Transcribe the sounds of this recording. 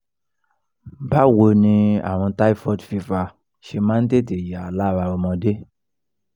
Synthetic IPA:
ba˦wo˧nĩ˧a̰˨w̃ɔ̃˧ta˦i˦fɔ˦˨dfi˧fa˧ | ʃe˧mã˦n̩˦de˦˨te˨ja˨la˦˨ɾa˧ɾo˧mɔ̃˧de˦

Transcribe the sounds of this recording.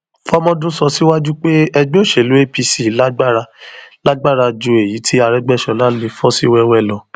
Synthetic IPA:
fɔ˦mɔ̃˧dũ˦sɔ˧si˦wa˦d͡ʒu˦k͡pe˦ɛ˧ɡ͡bĩ˦o˦˨ʃe˨lu˨˦e˦pi˧si˦˨˦la˦ɡ͡ba˦˨ɾa˧la˦ɡ͡ba˦˨ɾa˧d͡ʒo˧˦e˨ji˨˦tʰi˦a˧ɾɛ˦ɡ͡bɛ˦˨ʃɔ̃˨la˦le˧fɔ˦si˦wɛ˧wɛ˦˨lɔ˨

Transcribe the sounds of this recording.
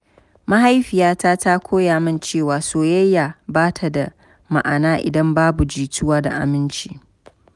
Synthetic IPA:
ma˦ɦa˦jɸɪ˨jaː˦ta˦ta˦kʷʰoː˦jaː˨mɪ˦nt͡ʃeː˦˨waː˨soː˨jɐ˦jːa˨baː˦tʰa˨da˨ | ma̰˨ʔa˨naː˦ʔɪ̰˨dɐ˦mbaː˦bu˨d͡ʒiː˨tʊ˦waː˦da̰˨ʔa̰˨mɪ˦nt͡ʃiː˦

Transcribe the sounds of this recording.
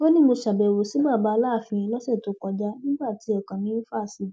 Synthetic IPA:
bo˦nĩ˦mo˧ʃa˨bɛ˨wo˨si˨˦ɡ͡ba˦˨ba˨˦˧laː˦˨fĩ˧ĩ˧lɔ˦sɛ˦˨to˧˦kɔ˧d͡ʒa˦nĩ˦ɡ͡ba˦˨ti˨˦ɔ˨kã˨nĩ˦n̩˦faː˦˨si˨˧

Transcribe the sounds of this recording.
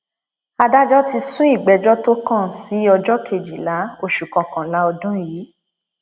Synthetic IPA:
a˧da˦d͡ʒɔ˦ti˧sũ˦i˦˨ɡ͡bɛ˨˦d͡ʒɔ˦to˦kã˦˨si˨˦ɔ˧d͡ʒɔ˦kʰe˨d͡ʒi˨la˨˦o˦˨ʃu˨kɔ̃˨kã˨la˨˦ɔ˧dũ˦ji˨˦

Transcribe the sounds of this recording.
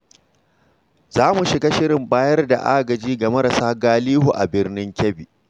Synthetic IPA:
z̥aː˦mu˨ʃɪ˨ɡa˦ʃɪ˦ɽɪ˨mbaː˦jɐ˦rda̰˨ʔa̰ː˦ɡɐ˨d͡ʒiː˦ɡɐ˨mɐ˦ɾa˨saː˦ɡaː˦liː˦ɦu˨ʔa˨bɪ˦rnɪ˦ŋkʲɛ˦biː˨

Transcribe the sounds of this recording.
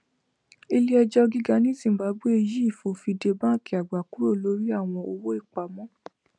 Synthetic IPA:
e˧li˦ɛ˧d͡ʒɔ˧ɡi˦ɡa˦nĩ˦sĩ˦˨m̩˨ba˨˦bu˦e˧ji˦i˦˨fo˧˦fi˧de˧bã˦˨ki˨a˨ɡ͡ba˨ku˨˦ɾo˦˨lo˨˦ɾi˦a˦˨w̃ɔ̃˧o˧wo˦i˦˨k͡pa˨mɔ̃˨˦

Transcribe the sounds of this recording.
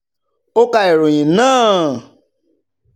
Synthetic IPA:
o˦ka˧i˨ɾo˨j̃ĩ˨nãː˦˨

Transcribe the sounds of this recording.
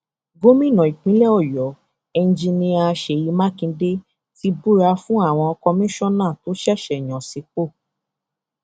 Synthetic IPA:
ɡo˦mĩ˦˨nɔ̃˨i˨k͡pĩ˦lɛ˦ɔ˦˨jɔ˨˦ | ɛ˧n˦d͡ʒĩ˧nĩ˧a˧ʃe˨ji˧mã˦kĩ˧˦de˦ | ti˧˦bu˦˨ɾa˧fũ˦a˦˨w̃ɔ̃˧ɔ˧kɔ˧mĩ˦ʃɔ˦nã˦˨to˨˦ʃɛ˦˨ʃɛ˨j̃ɔ̃˨si˨˧˦k͡po˦˨

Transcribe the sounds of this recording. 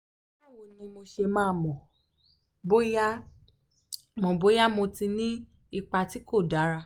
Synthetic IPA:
a˦˨wo˧˨nĩ˧mo˧ʃe˧mãː˧˦˧mɔ̃˨ | bo˦ja˦ | mɔ̃˨bo˦ja˦mo˧tĩ˧nĩ˦ | i˦˧k͡pa˧ti˦ko˦˨da˨˦ɾa˧

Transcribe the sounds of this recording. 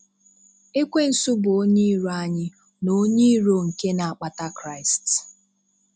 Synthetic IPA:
e˦kʷe˦n̩˨sʊ˦bʊ˨o˦ɲe˦ɾu˦a˦ɲɪ˦ | no˦ɲe˦ɾo˨ŋ̩˨ke˦na˨a˨k͡pa˨ta˦kɾa˦˨ɪ˨st

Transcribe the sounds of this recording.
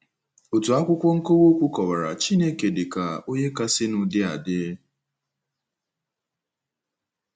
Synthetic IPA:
o˨tu˨a˦kʷʊ˦kʷɔ˦ŋ̩˦ko˦wo˦kʷu˦kɔ˨ba˨ɾa̰˨t͡ʃi˦ne˦ke˨dɪ˨ka˨o˦ɲe˦ka˦sɪ˦nʊ˨dɪ˦a̰˨dɪ˦

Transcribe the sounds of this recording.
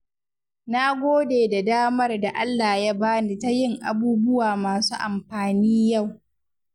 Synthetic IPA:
na˦ɡʷoː˦deː˨da˨daː˦mɐ˦rda˨ʔa˦lːaː˨ja˦baː˦ni˨ta˦jɪ˦ŋʔa̰˨buː˦bʊ˦waː˨maː˨suː˦ʔa˨mɸaː˨niː˦ja˦˨w

